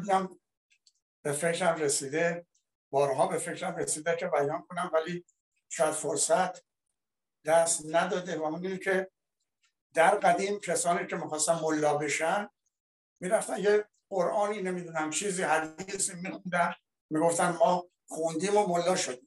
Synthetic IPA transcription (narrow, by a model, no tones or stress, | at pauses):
d̪iæm | b̥e̞fe̞kɾæmresiːd̪e | b̥ɒːɾɦɒːbe̞fe̞kɾæmɾesiːd̪ekʰe̞bæjɒnkʰonæmvæliː | t͡ʃʰoæd̪̥foɾsæt̪ʰ | d̪̥æst̪næd̪ɒːd̪evæmiːd̪uːnikʲʰe̞ | d̪̥æɾɢæd̪iːmkʰesɒːniːcʰe̞miːxɒːst̪ænmolːɒːbe̞ʃæn | miːɾæft̪ænje | ɢoɾʔɒːninemiːd̪uːnæmt͡ʃʰiːziːɦæd̪iisiːmmixund̪æ | miːɡo̞ft̪ænmɒː | χund̪iːmomolːɒːʃod̪iːm